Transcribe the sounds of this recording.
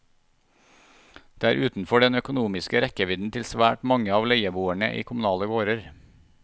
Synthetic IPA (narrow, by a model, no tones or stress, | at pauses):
d̪̥eːæːɾʔʉːt̪n̩fɔɖɛnœkʊnuːmɪskəɾɛkəʋɪd̪n̩t̪ʰɪlsʋæːʈmɑŋəɑːʋleɪəbuːæɳə̰ʔḭːkʰʊmʉnɑːləɡoːɾəɾ